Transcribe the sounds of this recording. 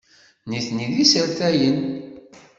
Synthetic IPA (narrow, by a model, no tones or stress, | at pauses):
niθniðisəɾθæjən